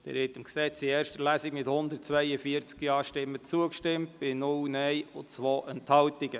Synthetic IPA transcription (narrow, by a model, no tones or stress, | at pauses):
d̥ɛ̰ːɾhɪtɪmksɛt͡siɛːɾʃtəlæsiɡmɪthʊnd̪ərt̚t͡sʋɛjəfiəɾt͡skiɑːʃtɪmːət͡suəkʃtɪmt̚b̥ɪnʊlnɛjʊt͡sʋoːʔɛnt̪hɑltiɡə